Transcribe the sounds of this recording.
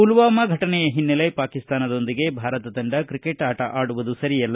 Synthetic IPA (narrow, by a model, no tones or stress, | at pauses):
ulʋaːmɐɡʱɐʈɐnɛjɐɦinːɐlɐjpaːkist̪aːnɐd̪o̞nd̪iɡe̞bʱaːɾɐt̪ɐd̪ɐɳɖɐkɾikeʈaːʈɐʔaːɽuʋud̪usɐɾijɐlːɐ